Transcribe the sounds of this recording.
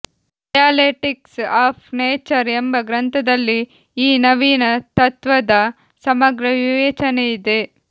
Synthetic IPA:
ɖɐjaːleʈiksaːpʰneːt͡ʃɐɾembɐɡɾɐnt̪ʰɐd̪ɐlːiː | nɐʋiːnɐt̪ɐt̪ʋɐd̪ɐ | sɐmɐɡɾɐʋiʋeːt͡ʃɐneid̪e̞

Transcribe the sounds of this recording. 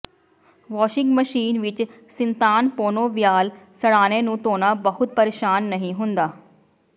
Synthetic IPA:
ʋɔːʃɪ̃ŋɡmɐʃiːnʋɪt͡ʃ | sɪ̃nt̪aːnpoːnoʋijaːlsɐɽaːñenũt̪oːnabɐɦʊt̪̚pɐɾeːʃaːnːɐɦĩɦʊ̃ːnd̪aː

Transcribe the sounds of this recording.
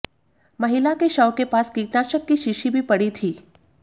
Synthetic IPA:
mɐɦɪlakeʃɐwkepaːskiːknaːɾʃəkːiʃɪʃibʱipɐɽit̪ʰiː

